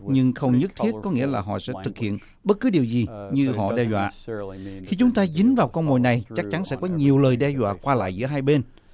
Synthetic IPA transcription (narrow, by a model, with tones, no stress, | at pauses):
ɲɨ˧ŋxə˧wŋ͡mɲɨ˦˥k̚t̪ʰi˦˥ət̚kɔ˨˦ŋḭ˧˥əlaː˨˩ɦɔ̰˧˨sɛ̰˧˥t̪ʰɨ˨˩k̚hḭ˧˨ən | ɓə˦˥t̚kɨ˨˦ɗi˨˩əwzi˨˩ɲɨ˧ɦɔ̰˧˨ɗɛ˧zwa̰ː˧˨xi˧t͡ɕʊ˨˦ŋ͡mt̪aː˧zï˨˦ŋ̟vaː˨˩wkɔ˧wŋ͡mmo̰˨˩˨jna˨˩jt͡ɕa˦˥k̚t͡ɕa˨˦nsɛ̰˧˥kɔ˨˦ɲi˨˩əwləː˨˩jɗɛ˧zwa̰ː˧˨kwaː˧la̰ː˧˨jzɨ̰˧˥əɦaː˧jɓe˧n